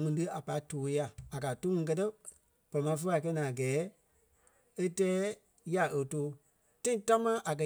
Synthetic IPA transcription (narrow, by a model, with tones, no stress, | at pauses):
ŋĩ˧˦tɨ˦a˨pa˨i˦toː˨˦ja˧˨a˨kaː˨to˦ŋĩ˧˦k̬ɜ˦tɜ˦ | pɔ˨ɾɔ˨mã˨˦f̬ə˦a˨k̬ɛ˧˦nã˨a˨ɡɛː˨˦ | e˦tɛː˦ | ja˨ʔə˨toː˨˦ | tã˦ĩ˦ta˦mãː˦ʔa˨k̬ɜ˧